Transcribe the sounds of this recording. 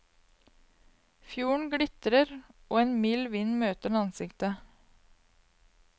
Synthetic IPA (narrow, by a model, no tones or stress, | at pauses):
fjuːɳ̩ɡɽɪt̪ɾəɾʔoːeːnmiːlʋɪnmøːt̪əɳɑnsɪkt̪ə